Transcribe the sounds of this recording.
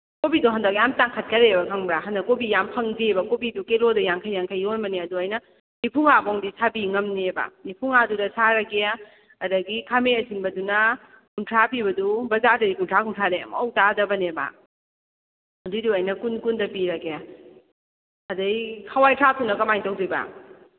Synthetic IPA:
kobiduɦɐndɐk̚jamtaŋkʰɐt̚kɐɾebɐkʰɐŋbaɦɐndɐkobijampʰɐŋbibɐkobidukelodujaŋkʰajːaŋkʰajːonbɐneɐduɐjnɐ | nipʰuŋabɔŋdisabiŋɐmneba̰nipʰuŋadudɐsaɾɐkeja | ɐdɐɡikʰameɐsinbɐdunɐ | kuntʰɾapiβɐdubɐzadɐdikuntʰɾakuntʰadejɐ̰mɐowtadɐbɐneba̰ | ɐduduɐjnɐkunkundɐpiɾɐkeja | ɐdɐjkʰawajtʰɾatʰunɐkɐmajŋtowdibɐ̰

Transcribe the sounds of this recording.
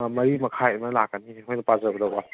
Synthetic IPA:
mɐɾimɐkʰajɐmɐlakːaniɦɔjnɐpazɐbɐdawa

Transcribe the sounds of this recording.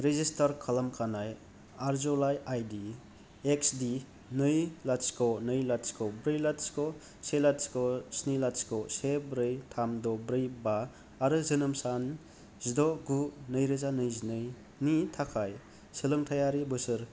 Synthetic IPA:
ɾezistʰaɾkʰalamkʰanaj | aɾzɔlajajdi | eksdi | nɯjlaskʰɔnɯjlatskʰɔbɾɯjlatskɔ | selatskɔsnilatskɔsebɾɯjtʰamdɔbɾɯjbaː | ɾɯzɯnɯmsan | zidɔɡunɯjɾɯzanɯjzinɯj | nitʰakʰaj | sɯlɯŋtʰajaɾibɯsɯɾ

